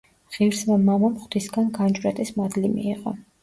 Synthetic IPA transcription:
ʁ̥ivɾsvɛmamamχwt̪ʰisɡanɡand͡ʒʼɾɛt̪ʼismad̪limḭːqʼɔ

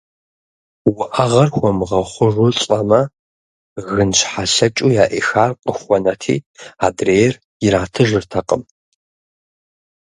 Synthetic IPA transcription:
wʊʔɐʁɐrxʷɔmʁɐχʷʊʒʊɕʼɐmɐ | ɣɨnɕʰħaɬɐt͡ʃʼujaːʔexaːrqəxʷɔnɐtʰḭːaːdreːjɛr | jɪɾaːtʰɨʒɨrtʰɐqʼəm

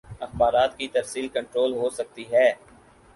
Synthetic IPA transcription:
ɐxbaːɾaːt̪kit̪ɐɾsiːlkɐ̃ɳʈɾoːlɦosɐk̚t̪iɦɛː

